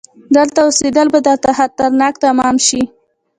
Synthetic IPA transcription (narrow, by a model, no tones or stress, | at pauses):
d̪əlt̪aused̪əlbad̪ət̪ahat̪aɾnɑkt̪amɑmʃi